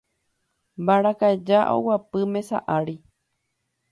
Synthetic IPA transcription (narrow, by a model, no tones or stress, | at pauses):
baɾakaed͡ʒaʔo̰wapɨmẽ̞sa̰ʔaɾi